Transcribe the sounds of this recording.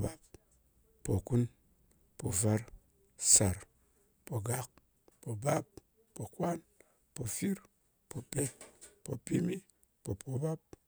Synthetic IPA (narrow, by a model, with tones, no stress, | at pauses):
ba˦p | po˨ku˦n | po˨va˦ɾ | sa˨ɾ | po˨ɡa˦k̚ | po˨ba˦p̚ | po˨kwa˦n | po˨fi˦ɾ | po˨pe˦t̚po˨pi˦mi˦ | po˨po˨ba˦p̚